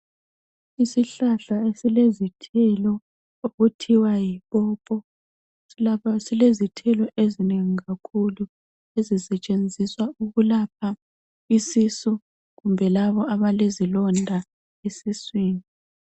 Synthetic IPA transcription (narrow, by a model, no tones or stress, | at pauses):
isiɬaɬaesilezitʰɛlɔ | oɣutʰiwajiβɔpʼɔ | silezitʰɛlɔʔezineŋiɣakʰulu | ezisɛt͡ʃʼend͡zʱiswauɣulapʰa | isisu | ɣumbʱɛlaβɔaβalezilɔndʱa | esisweːni